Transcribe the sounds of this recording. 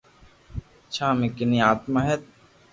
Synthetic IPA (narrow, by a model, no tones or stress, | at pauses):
t͡ʃʰaːmekiniaːt̪maɦet̪̚